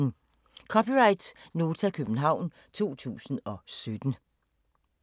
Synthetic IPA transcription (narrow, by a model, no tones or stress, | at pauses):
kʰɒ̽piʁɑ̈ɪd̥no̝ːt͡sʰækʰøb̥n̩ɦɑ̈ʊ̰n | t͡sʰo̝̰ːt͡sʰṵːsn̩ɒ̽sød̥n̩